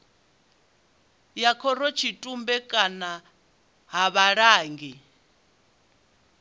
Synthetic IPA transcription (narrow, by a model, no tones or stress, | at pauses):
jakʰɔɾɔt͡ʃʰitʼumbɛkʼana | ɦaβaɺaːŋɡi